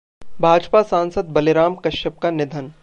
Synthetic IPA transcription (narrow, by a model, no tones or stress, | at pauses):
bʱaːd͡ʒpasãːnsəd̪̚bɐleɾaːmkɐʃəp̚kanɪd̪ʱən